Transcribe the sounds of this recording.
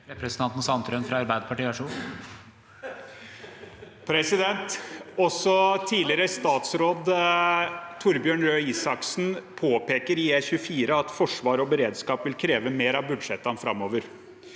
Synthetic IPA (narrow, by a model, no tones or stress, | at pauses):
ɾɛpɾəsənt̪ɑnt̪n̩sɑnt̪ʰɾœnfɾɑɑɾbæɪd̪əpʰɑʈiːæʂuː | pʰɾɛsɪd̪ɛnt̪ɔsɔt̪ʰiːlɪɾəst̪ɑːt̪sɾoːd̪ | t̪ʰʊɾbjøːɳɾøːiːsɑksn̩pʰoːpeːkəɾɪeçʉəfiːɾəɑt̪fɔʂʋɑːɾɔbəɾeːd̪skɑːpʋɪlkʰɾeːʋəmeːɾɑʋbʉd̪ʂɛt̪ːɑnfɾɑmːoːʋəɾ